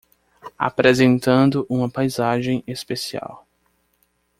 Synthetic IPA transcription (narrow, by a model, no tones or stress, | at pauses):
a̰pɾezẽnt̪ɐ̃nd̪ʊʔũmɐpajzaʒẽj̃espesia̰w